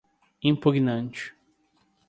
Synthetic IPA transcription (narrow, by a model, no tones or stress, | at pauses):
ĩmpuɡnɐ̃nt͡ʃɪ̥